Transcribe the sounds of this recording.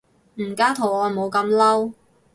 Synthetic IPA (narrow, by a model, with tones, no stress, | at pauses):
m̩˨˩kaː˥t̪ʰo˨˩wɔː˨˧mo˨˧wkɐ˧mlɐ˥w